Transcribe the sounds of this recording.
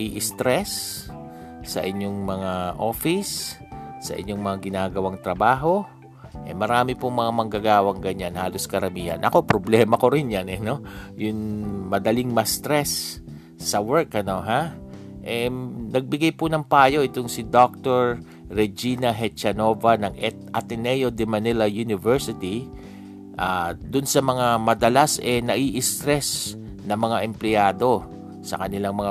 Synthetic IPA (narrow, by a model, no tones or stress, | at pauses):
ʔiʔɪst̪ɾɛs | ɐ̰ʔɪɲːoŋmɐŋaʔo̞ːfɪsː | ɐ̰ʔɪ̰ɲːo̞ŋmɐŋaɡɪnaːɡɐwaŋt̪ɾɐbaːɦo̞ | ʔɛmɐɾaːmɪpʊŋmɐŋamɐŋɡaɡaːwɐŋɡɐɲanhaːlo̞skɐɾɐmiːhɐ̰nʔɐ̰ko̞pɾoblɛːmɐkoɾɪnjanɛno̞jʊŋmɐd̪ɐliŋmɐst̪ɾɛsː | ɐwɛɹkɐno̞ɦa | ʔɛnɐɡ̚bɪɡajpʊnɐŋpaːjo̞ʔɪt̪oŋsɪd̪ok̚t̪oɹː | ɛd͡ʒinɐɦɛt͡ʃɐno̞ːvanɐŋʔɛt̪̚ʔɐ̰t̪ɛnɛjod̪ɛmɐnɛlɐjunɪvɛɹsɪt̪i | ʔaːd̪ʊnsɐmɐŋamɐd̪ɐlasʔɛnɐʔiʔɪst̪ɾɛs | nɐŋmɐŋaʔɛmplɪjaːd̪o̞ | sɐ̰kɐnɪlaŋmɐŋa